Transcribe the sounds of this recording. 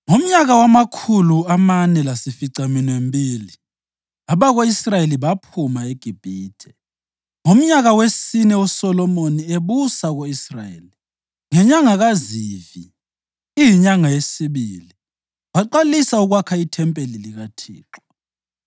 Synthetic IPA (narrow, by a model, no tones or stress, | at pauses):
ŋom̩ɲaɣawamakʰuluamanɛlasifiǀaminembʱiːli | aβaɣoisrajeliβapʰumaeɡ̥ʱib̥ʱiːtʰɛ | ŋom̩ɲaɣawesinɛusɔlɔmonieβusaɣoisrajḛːli | ŋɛɲaŋaɣazivḭ | ijiɲaŋajesiβḭli | waǃalisauɣwakʰaitʰɛmpʼeliliɣatʰḭːǁɔ